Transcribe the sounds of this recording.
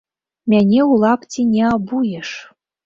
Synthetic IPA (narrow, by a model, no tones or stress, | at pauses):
mʲænʲeulˠɑptʲinʲeabujeʂ